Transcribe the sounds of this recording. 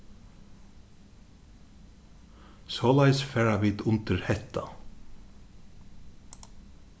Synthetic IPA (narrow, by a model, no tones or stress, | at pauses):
sɔːlæjsfɛːɹaʋɪːt̪ʊnt̪ɪɾhɛht̪a